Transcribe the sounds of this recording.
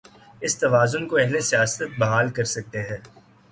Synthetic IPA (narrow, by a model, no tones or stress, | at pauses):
ɪst̪ɐʋaːzʊnkoɛɦlesijaːsət̪̚bɐɦaːlkɐɾsɐk̚t̪eɦɛː